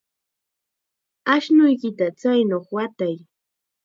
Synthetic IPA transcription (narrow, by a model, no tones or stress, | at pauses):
aʃnʊjkɪt̪at͡sajnoχwat̪aj